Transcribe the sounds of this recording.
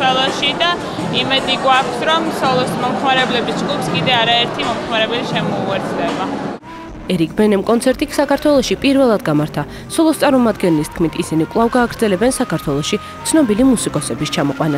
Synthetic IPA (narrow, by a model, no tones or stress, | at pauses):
ɛlˠaʃid̪a | imɛd̪iɡwakʰsɾɔmsɔlˠɔsmɔmχmaɾɛblɛbisd͡ʒɡupskʼid̪ɛaɾaɛɾt̪ʰimɔmχmaɾɛbɛliʃɛmɔuɛɾt̪ʰd̪ɛba | ɛɾik̚ʰbɛnɛmkʼɔnt̪sʰɛɾt̪ʼiksakaɾt̪ʰwɛlˠɔʃipʼiɾvɛlˠad̪ɡamaɾt̪ʰa | sɔlˠɔst̪sʼaɾmɔmad̪ɡɛnlist̪̚ʰkʰmit̪ʰisinikʼlˠavɡaːɡɾd̪zɛlɛbɛnsakʰaɾt̪ʰwɛlˠɔʃi | t̪sʰnɔbilimusikʼɔsɛbist͡ʃʰamɔqʼwana